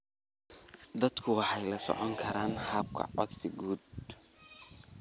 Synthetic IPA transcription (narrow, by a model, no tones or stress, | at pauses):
d̪ɐd̪kʰʊwɑħɑjlɐsɔ̰ʕɔŋkʰɐɾaːnhɐb̚kʰɐ̰ʕɔ̰d̪sɪɡuːd̪̚